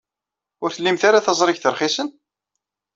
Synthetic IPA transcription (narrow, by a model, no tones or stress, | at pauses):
ʊɾθəlːimθaɾaθɑzˤɾˤɪçθəɾˤχisən